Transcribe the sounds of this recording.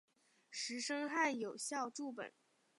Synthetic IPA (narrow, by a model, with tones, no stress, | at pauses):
ʂɻ̩˧˥ʂɤ˥ŋxa˥˩njo˨˩ʊɕjɑ˥˧ʊʈ͡ʂu˥˩p̬ə̰˨˩˦